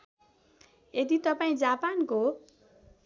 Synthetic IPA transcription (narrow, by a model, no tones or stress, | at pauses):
ed̪it̪ʌpaĩd͡zapanko